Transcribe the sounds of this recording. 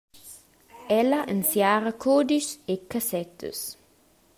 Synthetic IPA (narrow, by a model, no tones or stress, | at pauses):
ɛlɐʔənsjaːɾɐkʰod̪isekasɛt̪ʰə̰s